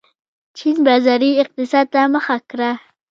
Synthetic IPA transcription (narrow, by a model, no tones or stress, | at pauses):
t͡ʃʰinbazaɾiɪq̚t̪ɪsɑd̪̚t̪amaxakɾa